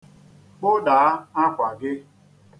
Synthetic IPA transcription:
k͡pʊ˦da˨a˦a˦kʷa˨ɡɪ˦

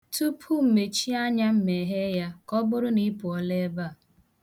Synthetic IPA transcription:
tu˦pʰu˦m̩˨me˨t͡ʃi˦a˦ɲa˦m̩˦me˨ɦe˦ja˦kɔ˦bʊ˦ɾʊ˦ni˦pʊ˨ɔ˨le˦ba˦˨

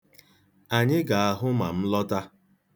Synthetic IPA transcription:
a˨ɲɪ˦ɡa˨a˨ɦʊ˦ma˨m̩˦lɔ˦ta˦

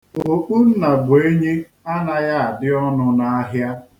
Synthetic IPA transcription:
o˨k͡pu˦n̩˦na˨ɡ͡be˨e˦ɲe˦ | a˦na˦ja˦a˨dɪ˦ɔ˦nʊ˦na˦a˦ɦja˦

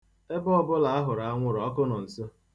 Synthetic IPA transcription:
e˦bʊ˦ɔ˦bʊ˦la˨a˦ɦʊ˨ɾa˨a˦ŋʷʊ˦ɾɔ˨˦kʊ˦nɔ˨n̩˨so˦

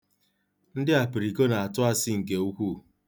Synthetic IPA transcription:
n̩˦dɪ˦a˨pi˨ɾi˨ko˦na˨a˨tʊ˦a˦sɪ˦ŋ̩˨k̬e˨u˦kʷu˦˨

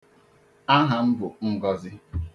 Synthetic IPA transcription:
a˦ɦa˨m̩˦bʊ˨ŋ̩˦ɡɔ˦zɪ˦

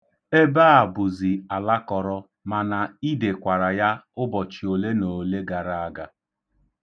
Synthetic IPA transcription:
e˦ba˦a˨bʊ˨zi˨a˨la˦kɔ˨ɾɔ˦ | ma˨na˨i˦de˨kʷa˨ɾa˨ja˦ʊ˦bɔ˨t͡ʃi˨o˨le˦no˨le˦ɡa˨ɾa˦a˦ɡa˨

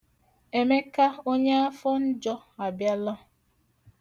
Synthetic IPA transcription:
e˨me˦ka˦o˦ɲe˦a˦fɔ˦n̩˦d͡ʒɔ˦a˨bja˦lɔ˦

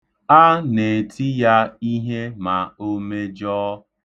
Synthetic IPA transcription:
a˦ne˨tʰi˦ja˦i˦ɦe˦ma˨o˦me˦d͡ʒɔː˦

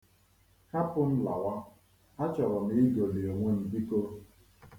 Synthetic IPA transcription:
ka˦pʊ˦n̩˦la̰˨wa˦ | a˦t͡ʃɔ˨ɾɔ˨ni˦i˦ɡo˨li˨o˨ŋʷe˦n̩˨bi˦ko˦˨

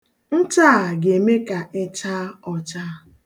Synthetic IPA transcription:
n̩˦ta˦˨ɡe˨me˦ka˨e˦t͡ʃa˦ɔ˨t͡ʃa˦

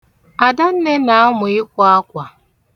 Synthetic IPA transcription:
a˨da˦n̩˦ne˦na˨a˦mʊ˨ɪ˦kʷʊ˦a˦kʷa˨

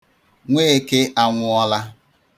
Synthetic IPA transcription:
ŋʷeː˦e˨ke˦ʔa˦ŋʷʊ˨ɔ˦la˦

